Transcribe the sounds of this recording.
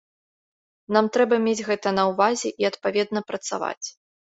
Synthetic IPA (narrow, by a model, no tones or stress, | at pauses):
namt̪ɾɛbɐmʲed͡zʲɣɛt̪ɐnɐwvazʲɛʔiɐt̪pavʲɛd̪nɐpɾɐt̪sa̰va̰t͡sʲ